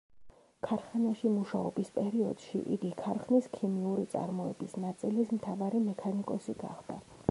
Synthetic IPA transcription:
kʰaɾχanaʃimuʃaɔbispʼɛɾiɔ̰d̪̥ʃḭʔḭɡikʰaɾχniskʰimiuɾit̪sʼa̰ɾmɔɛbisnat̪sʼilismt̪ʰavaɾimɛkʰanikʼɔsiɡa̰χd̪̥a

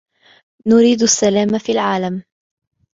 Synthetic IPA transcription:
nʊɾiːd̪asːalaːmfiːlʕaːlam

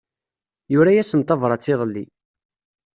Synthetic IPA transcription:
jʊɾæjæsəmt̪ˤɑvɾˤɑt͡sːɪðˤəlːi

